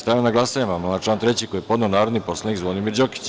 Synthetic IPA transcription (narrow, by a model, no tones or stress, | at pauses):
st̪ajaonaɡlˠasaɲamamonat͡ʃlˠaːnt̪ɾet͡ɕikojepo̞d̪neonaːɾod̪nipo̞slenikzʋod̪imiːɾd͡ʑoki̥t͡ɕ